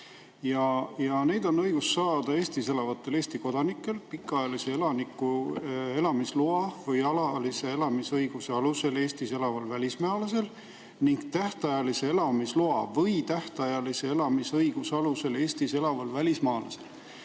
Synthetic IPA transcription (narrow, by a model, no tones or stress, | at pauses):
jɑjɑne̞jd̪̥o̞nːɤ̞jɡ̥usːɑːd̪̥ɑe̞ːst̪ise̞lɑvɑt̪ːˑe̞le̞ːst̪iko̞d̪̥ɑnikːˑe̞lpikːˑɑjɑlise̞elɑnikːˑue̞lɑmisluɑvɤjɑlɑlise̞e̞lɑmisɤjɡ̥useɑluse̞le̞ːst̪iselɑvɑlvælʲismæɑlɑs̬e̞l | niŋɡ̥t̪æht̪ɑjɑlise̞elɑmisluɑvɤjt̪æht̪ɑjɑlise̞elɑmisɤjɡ̥usɑluse̞le̞ːst̪ise̞lɑvɑlvælʲismɑːlɑsel